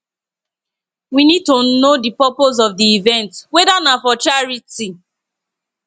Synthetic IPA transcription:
winid̚tonodipɔpoz̬ɔvdiivɛ̃ntwɛdanafɔt͡ʃaɹiti

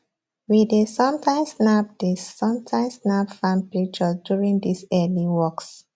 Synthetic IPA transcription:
widesɔ̃mtʰãɪ̃msnab̚d̥isɔ̃mtʰãɪ̃msnabfãn̚pɹik̚t͡ʃəsdjuɹĩŋdisɛliwɔks

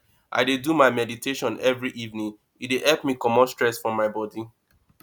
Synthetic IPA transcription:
ʔa̰ɪdedumaɪmɛditʰeʃɔ̃nɛvɹiʔivnĩŋ | it̚deʔɛlpmikɔmɔ̃nstɹɛsfɹɔ̃mːaɪbɔdi

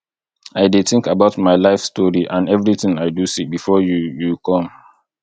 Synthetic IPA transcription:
aɪdeθɪ̃ŋkabaʊtmaɪlaɪfstɔɹiʔãnɛvɹiθɪ̃ŋaɪdusibifɔjujukʰɔ̃m

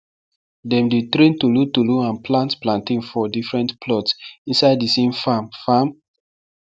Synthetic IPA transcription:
dɛ̃mdetɾẽntulutuluãnplãntplãntĩnfɔdifɹɛ̃ntpʰlɔtsĩnsaɪddisẽmfamfam

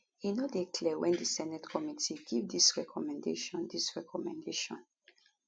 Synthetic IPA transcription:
inɔdekʰlɛwɛ̃ndisɛnɛtkʰɔmitʰiɡivdisɹɛkʰɔmɛ̃ndḛʃɔ̃ndisɹɛkʰɔmɛ̃ndeʃɔ̰̃n

